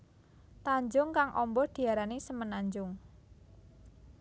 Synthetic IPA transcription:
t̪aɲd͡ʒʊŋkaŋʔɔmbɔhd̪̥i̤aɾanisəmənaɲd͡ʒʊŋ

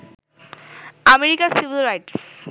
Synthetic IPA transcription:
ɐmeɾikasiʋilɾaɪʈs

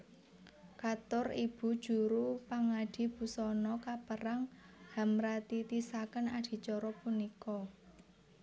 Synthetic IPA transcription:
kat̪ʊrib̥ṳd̥ʒ̥ṳɾupaŋaɖ̥i̤b̥ṳsɔnɔkapəɾaŋha̤mɾat̪it̪isakənaɖ̥i̤t͡ʃɔɾɔpunikɔ

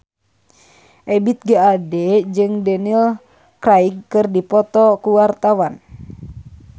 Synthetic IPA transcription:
ʔɛbit̪̚ɡaadɛd͡ʒɨŋdɛnil | kraiɡ̚kɨrdipɔt̪ɔkuwart̪awan

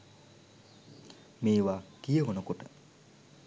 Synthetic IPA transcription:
meːʋakijəɦonokoʈə

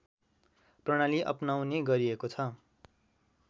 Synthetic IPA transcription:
prʌɽ̃aliʔʌ̰pnawneɡʌɾiekot͡sʰʌ

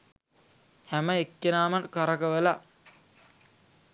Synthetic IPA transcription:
hæməekːenaːmɐnkaɾɐkəʋəla

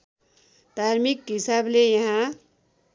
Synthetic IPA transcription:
d̪̥ʱaɾmikɦisablejʌɦã

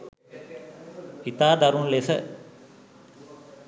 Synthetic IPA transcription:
it̪aːd̪aɾunlesə

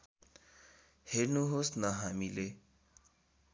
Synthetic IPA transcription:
heɾnuɦosnʌɦamile

